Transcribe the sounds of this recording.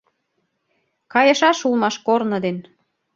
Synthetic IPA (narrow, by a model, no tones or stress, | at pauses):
kɑjɤ̆ʃɑʃulˠmɑʃkornɤ̆d̪en